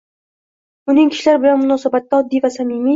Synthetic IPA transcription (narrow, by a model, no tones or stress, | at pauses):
ʊnɪŋkʲʰɪ̥ʃlaɾbɪlanmʊnɒsabat̪ːaɒd̪ːivasamimi